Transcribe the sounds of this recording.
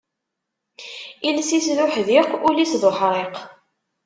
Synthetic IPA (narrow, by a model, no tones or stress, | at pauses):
ilsisðʊħðiqʊlisðoħɾˤeq